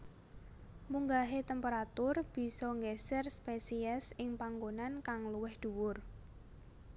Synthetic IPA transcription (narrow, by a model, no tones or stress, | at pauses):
muŋɡaɦet̪ɛmpeɾat̪ʊrb̥i̤sɔŋɡɛsɛrspesiɛsɪŋpaŋɡonankaŋluwɪhd̪̥ṳwʊr